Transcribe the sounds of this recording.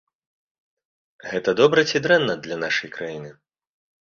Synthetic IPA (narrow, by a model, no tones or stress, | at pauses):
ɣɛt̪ɐd̪ɔbɾɐt͡sʲid̪ɾɛnːɐd̪lʲɐnaʂɐjkɾajinɨ